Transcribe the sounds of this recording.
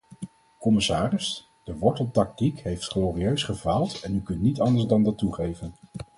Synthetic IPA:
kɔmɪsaːrɪs | d̥əʋɔɹtəl̩ˠtɑk̚tikɦejftχloːriøɥsχəvaːlˠtɛnykɵntnitɑndəɹsdɑndɑtːuχejvən

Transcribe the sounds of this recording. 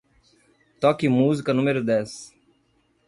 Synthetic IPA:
t̪ɔːkiːmuːzkanʊmeɾod̪ɛːs

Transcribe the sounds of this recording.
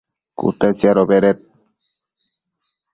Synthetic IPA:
kṵt̪et͡ʃiaɾobeɾet̪̚

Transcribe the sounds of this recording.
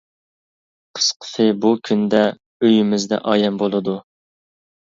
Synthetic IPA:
qʰə̥sqʰə̥t̪ʰɨbukʲʰynd̪ɛ | øjymɪzd̪ɛ̰ʔɑ̰ːjɛmbolˠɨd̪u

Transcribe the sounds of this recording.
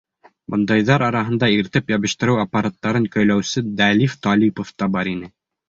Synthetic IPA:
bɤ̆nd̪ɑjðɑɾɑɾɑɦɤ̆nd̪ɑiɾt̪ɘpjɑβɘ̆ʃt̪ɘ̆ɾɘwapːɐɾat̪ːɑɾɤŋkɵ̆jlæwsɘd̪ælift̪ɑlʲipoft̪ɑbɑɾinɘ

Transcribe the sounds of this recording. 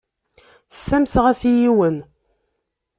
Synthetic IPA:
sːæmsʁæsjiwən

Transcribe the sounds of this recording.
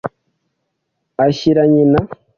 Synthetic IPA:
aɕiɾaɲina

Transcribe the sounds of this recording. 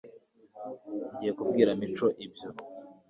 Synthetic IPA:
ɲɟiːje̞kubɡiːɾamit͡ʃo̞ʔibjo̞

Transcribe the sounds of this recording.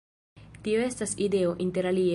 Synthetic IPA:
tio̞e̞staside̞o̞ʔinte̞ɾalie

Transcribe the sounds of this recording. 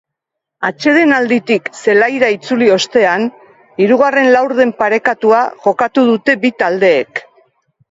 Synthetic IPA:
at͡ʃe̞ð̞e̞nald̪it̪ikse̞lajɾait͡sulio̞st̪e̞an | iɾuɣ̞are̞nlawɾðe̞mpaɾe̞kat̪uaʝo̞kat̪uð̞ut̪e̞bit̪ald̪e̞ːk

